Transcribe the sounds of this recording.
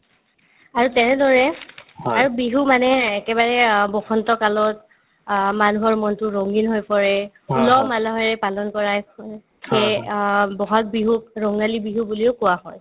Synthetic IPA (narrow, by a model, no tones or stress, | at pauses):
aɹutɛnɛdɔɹɛaɹubiɦumanɛːkɛbaɹɛbɔxɔntɔkalɔt̚ | manuɦɔɹmɔntʊɹɔŋɡinɦojpɔɹɛ | ulɔmalaɦɔɹɛpalɔnkɔɹaj | kʰe | bɔɦak̚biɦuk̚ɹɔŋalibiɦubuliʊkʊwaɦɔj